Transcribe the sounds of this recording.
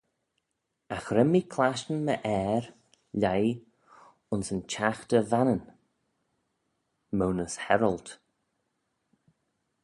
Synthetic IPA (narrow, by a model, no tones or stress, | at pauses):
axɾɛmːikʰlaʃənməʔɛːɾ | ʎaj | ʊnsənt͡ʃʰaxtəvanən | mownəshɛɾəlˠt